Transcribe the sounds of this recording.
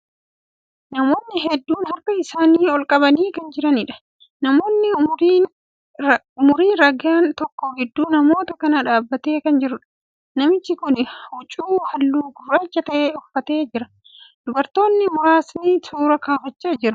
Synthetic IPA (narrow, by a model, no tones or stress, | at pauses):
nɐmo̞ːnːɪɦɛd̪ːuːnhɐɾkɐɪsaːniːɔlkʼɐbɐniːkɐnd͡ʒɪɾɐnɪᶑɐ̥ | nɐmoːnːɪː | ʊmʊɾiːnɾɐɡaːnt̪ɔkːɔɡɪd̪ːuːnɐmo̞ːt̪ɐkɐnɐᶑaːbːɐt̪e̞ːkɐnd͡ʒɪɾʊᶑɐ̥ | nɐmɪt͡ʃːɪkʊnʊt͡ʃʼuːhɐlːuːkʊrɐt͡ʃːɐt̪ɐʔeːɔfːɐt̪e̞ːd͡ʒɪɾɐ | d̪̥ʊbɐɾt̪o̞ːnːɪmʊɾaːsnisuːɾɐkaːfɐt͡ʃːɐd͡ʒɪɾɐ